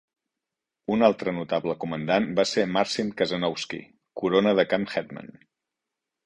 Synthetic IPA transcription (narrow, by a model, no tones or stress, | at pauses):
unalˠt̪ɾənut̪abləkumənd̪anbasemaɾsinkəzənɔwskḭ | kuɾonəðəkamxɛt̪mə̰n